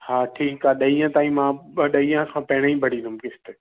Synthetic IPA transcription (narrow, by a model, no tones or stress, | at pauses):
haːʈʰiːkɦaːɗɐĩːãt̪aːĩmãːɗɐiːãkʰãːpɐɦɽ̃aĩbʱɐɽ̤ĩːnd̪ʊmkɪst̪e